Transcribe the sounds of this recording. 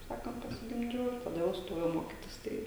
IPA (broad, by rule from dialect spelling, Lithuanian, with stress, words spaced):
kɐɪp ˈsɑːkɐnt pɐsʲɪɡʲɪmʲˈd͡ʒʲɛʊ tɐˈdɐ jɛʊ ˈstoːjɛʊ ˈmoːkʲɪtʲɪs ˈtɐɪ